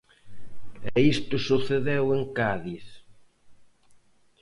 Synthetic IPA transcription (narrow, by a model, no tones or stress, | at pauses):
ɛist̪ʊsuθeðeweŋkaðiθ